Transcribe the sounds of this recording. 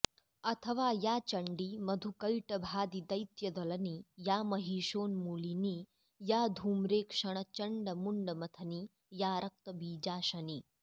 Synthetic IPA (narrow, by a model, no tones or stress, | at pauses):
ɐt̪ʰəʋajat͡ɕɐɳɖiːmɐd̪ʱukɐjʈɐbʱaːd̪id̪ɐjt̪jɐd̪ɐlɐniːjamɐɦiːʃoːnmuːliniː | jad̪ʱuːmɾeːkʂɐɳ̃ət͡ɕɐɳɖəmuɳɖəmɐt̪ʰɐniː | jaɾʔɐk̚t̪əbiːd͡ʑaːɕɐniː